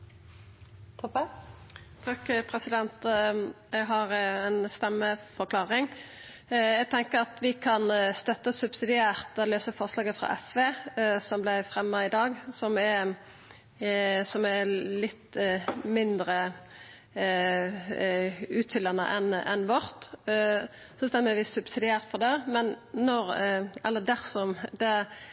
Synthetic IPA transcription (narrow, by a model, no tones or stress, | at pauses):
t̪ʰɔp | t̪ʰɑːkpʰɾɛsɪd̪ɛnt̪jɛɡɦɑɾɛnst̪ɛmːəfɔɾkʰlɑːɾɪŋ | jæɡ̚t̪ʰɛŋkəɾɑt̪ʋɪkʰɑnst̪œt̪ːəsʉbsɪd̪ɪæːʁt̪ɛløːsəfɔʁslɑːɡəfɾɑ̰ːʔɛsʋeːsɔmblæɪfɾɛmːɑɪd̪ɑːɡsɔmæ | sɔmælɪt̪ːmɪnd̪ɾə | ʉːt̪fʏlːɑnə̰ʔɛnʔɛnʋɔɾt̪ | sɔst̪ɛnːʋiːsʉbsɪd̪ɪæːʁt̪fɔʁd̪ɛmɛnnɔɾɛlːəd̪æʁsɔmd̪̥ɛ